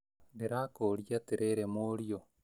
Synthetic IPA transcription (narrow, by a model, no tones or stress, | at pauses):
beɾaːkoːɾiat̪eɾeɾemoːɾio